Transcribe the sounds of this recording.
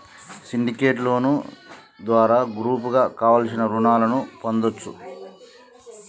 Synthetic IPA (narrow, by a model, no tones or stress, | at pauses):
siɳɖikeːʈlo̞ːnu | d̪ʋaːɾaːɡɾuːp̬uɡaːkaːʋalsinɐɾunaːlɐnupond̪ot͡ʃːṵ